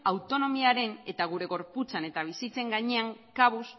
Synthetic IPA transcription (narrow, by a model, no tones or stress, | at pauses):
awt̪o̞no̞miaɾe̞ne̞t̪aɣ̞uɾe̞ɣo̞ɾput͡sane̞t̪aβ̞isit͡se̞ŋɡaɲe̞aŋkaβus